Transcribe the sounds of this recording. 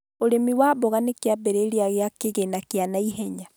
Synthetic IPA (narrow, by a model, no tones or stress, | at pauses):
oɾemiwabɔɣanekeabɛɾeɾeaɣeakeɣenakeanaiɦɛɲa